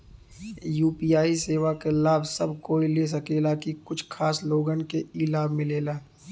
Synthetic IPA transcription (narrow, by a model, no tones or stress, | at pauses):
juːpiːaːiseːʋakelaːbsɐbkoːiles̬ɐkeːlakikʊt͡ʃʰkʰaːsloːɡənkeiːlaːbmɪ̃leːlaː